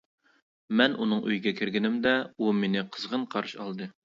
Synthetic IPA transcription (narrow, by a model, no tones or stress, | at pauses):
mɛnʔunɨŋø̰jɡʲɛkʲʰiɾɡʲɪnɪmd̪ɛumenɪqʰəzʁənqʰɑɾɨʃɑ̰lˠd̪ɨ